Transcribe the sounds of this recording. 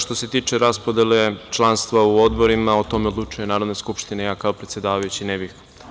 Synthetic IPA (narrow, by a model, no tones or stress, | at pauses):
ʃt̪o̞se̞t̪iːt͡ʃeɾaspod̪ele̞t͡ʃlˠanst̪ʋauod̪boɾimaot̪o̞meo̞d̪lˠut͡ʃujenaːɾo̞d̪neskupʃt̪inejaːkaopɾe̞t̪sje̞d̪aːʋajut͡ɕinɛbix